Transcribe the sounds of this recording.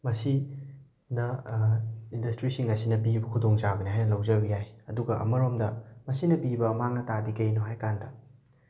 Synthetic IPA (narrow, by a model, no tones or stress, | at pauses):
mɐsi | nɐ | indɐstɾisiŋɐsinɐbibɐkʰudoŋt͡ʃabɐniɦajnɐlɐwd͡ʒɐbijajɐduɡɐʔɐ̰mɐɾomdɐmɐsinɐpibɐmaŋnɐtadikɐjnoɦajkandɐ